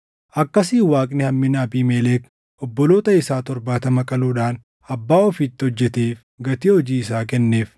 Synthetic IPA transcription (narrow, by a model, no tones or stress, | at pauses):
ʔɐkːɐsiːwaːkʼnɪhɐmːɪnaːbiːmeːleːk | ʔɔbːɔlo̞ːt̪ɐɪsaːt̪ɔɾbaːt̪ɐmɐkʼɐluːᶑaːn | ɐbːaːɔfit̪ːɪɔd͡ʒːɛt̪eːf | ɡɐt̪iːhɔd͡ʒiːɪs̬aːkɛnːe̞ːf